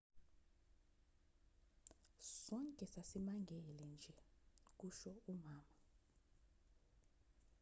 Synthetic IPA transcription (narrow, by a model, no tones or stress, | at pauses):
sɔŋkʼɛsasimaŋɡʱɛlɛnd͡ʒʱɛk̬uʃɔumaːma